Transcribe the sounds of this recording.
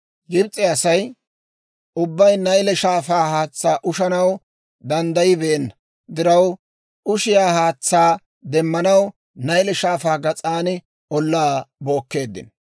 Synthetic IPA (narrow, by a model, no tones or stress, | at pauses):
ɡɪbt͡sʼːɛɐsɐj | ʊbːɐjnɐjlɛʃaːfaːhaːt͡sːaːʔʊʃɐnɐw | d̪ɐnd̪ɐjɪbeːnːɐ | d̪ɪɾɐw | ʊʃɪjaːhaːt͡sːaː | d̪ɛmːɐnɐw | nɐjlɛʃaːfaːɡɐt͡sʼaːnɪ | ɔlːaːbo̞ːkːe̞ːd̪ːɪ̰n